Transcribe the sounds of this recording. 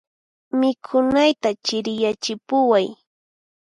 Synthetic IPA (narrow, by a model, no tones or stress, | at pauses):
mɪkʰʊnajt̪at͡ʃɪɾjat͡ʃɪpʊwaj